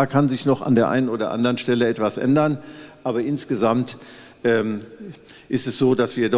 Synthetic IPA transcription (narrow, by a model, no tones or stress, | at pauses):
aːkʰanzɪçnɔχa̰ndeːɐʔa̰ɪnənʔoːdɐ̰ʔa̰ndəʁənʃtɛləɛtv̥asʔɛ̰ndɐnʔaːbɐʔɪnsɡ̥əzamt | ʔɛːm | ʔɪstɛsz̥oːdasv̥iːɐdɔ